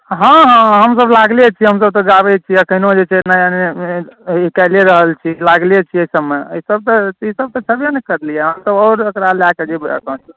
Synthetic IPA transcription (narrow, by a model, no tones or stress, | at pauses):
ɦãɦãɦəmsəblaɡlet͡ʃʰiɦəmsəb̚t̪ɔɡabɛt͡ʃʰiəkʰəɪnod͡ʒet͡ʃʰenajane | ikaleɾəɦəlt͡ʃʰilaɡlet͡ʃʰiəisəbmeəisəb̚t̪ɔisəb̚t̪ɔt͡ʃʰəbjenkəɾlijeɦəmsəbɔʊɾəkɾalaked͡ʒib̰kə̃t͡ʃ